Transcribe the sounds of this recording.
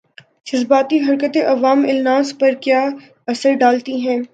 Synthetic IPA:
d͡ʒɐzbaːt̪iɦɐɾkət̪eʔɐʋaːmɪlnaːzpɐɾkjaː | ɐsəɾɖaːlt̪iɦɛ̃ː

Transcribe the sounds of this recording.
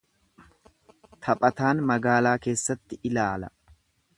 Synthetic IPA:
t̪ʰɐpʼɐt̪aːnmɐɡaːlaːke̞ːsːɐt̪ːɪʔɪlaːlɐ

